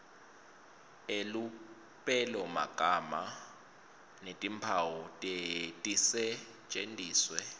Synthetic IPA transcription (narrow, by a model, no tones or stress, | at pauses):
elu | pʼɛlɛuma̰ɡ̥ʱama | netʼimpʰawɔtʼetʼisɛ̥ | t͡ʃʼendʱʼiːswɛ